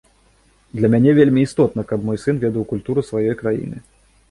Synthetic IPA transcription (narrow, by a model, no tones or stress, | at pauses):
d̪lʲɐmʲanʲɛvʲelʲmʲiːst̪ɔt̪nɐkɐbmɔjsɨnvʲɛd̪ɐwkulʲt̪uɾɨsvajɔjkɾajḭnɨ̰